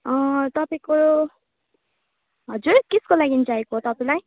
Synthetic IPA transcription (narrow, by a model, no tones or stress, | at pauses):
ʌ̃t̪ʌpaĩko | ɦʌd͡zurkiskolaɡinid͡zaekoɦot̪ʌpaĩlaj